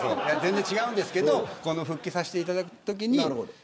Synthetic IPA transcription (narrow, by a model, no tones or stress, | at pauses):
ojazẽ̞nd͡zẽ̞ɲt͡ɕiɡaɯ̃nd̪esɨ̥ke̞d̪o̞ko̞noɸɯ̟kʲːisaɕi̥t̪eit̪ad̪akɯ̟̥t̪o̞k̬ʲiɲ̟iɾ